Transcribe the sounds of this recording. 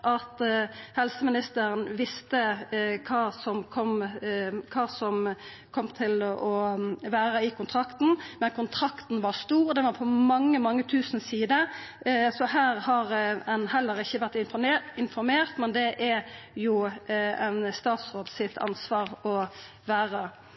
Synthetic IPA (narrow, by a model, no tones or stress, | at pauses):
ʔɑt̪hɛlsəmɪnɪst̪əɾənʋɪst̪əkʰɑːsɔmkʰɔm | kʰɑːsɔm | kʰɔmt̪ʰɪlʔɔʋæːɾəɪkʊnt̪ʰʁɑkt̪n̩mɛnkʰʊnt̪ʰɾɑkt̪n̩ʋɑst̪uːʁd̪ɛʋɑɾpʰɔmɑŋːəmɑŋːət̪ʰʉːsn̩siːd̪ə | sɔɦæːʁhɑɾɛnhɛlːəɾɪçːəʋæʁt̪ɪɪnfɔɾmeːʁt̪mɛnd̪ɛʔæjʊɛnst̪ɑːt̪sʁoːd̪sɪt̪ʰɑ̰nsʋɑːɾɔ | ʋæːɾə